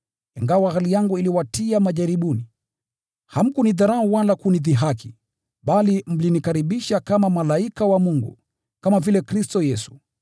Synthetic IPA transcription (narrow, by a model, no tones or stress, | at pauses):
iŋɡawaɣalijaŋɡuiliwatiamaʄaɾiɓuni | ham̩kuniðaɾauwalakuniðiɦakʰi | ɓalim̩linikaɾiɓiʃakamamalaikawamuŋɡṵ | kamavilɛkɾistɔjɛsu̥